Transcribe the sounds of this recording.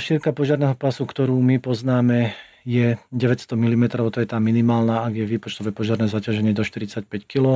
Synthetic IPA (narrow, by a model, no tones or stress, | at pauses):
ʃiɾkapɔʒɪaɾnɛːɦɔpasukt̪ɔɾuːmipɔznaːmɛ | jɛɟɛʋɛcst̪ɔmilimɛt̪ɾɔʊt̪ɔjɛt̪aːminimaːlnaːaɡjɛʋiːpɔt͡ʃt̪ɔʋɛːpɔʒɪaɾnɛːzacaʒɛɲɪɛd̪ɔʃt̪iɾit͡sacpɛckilɔ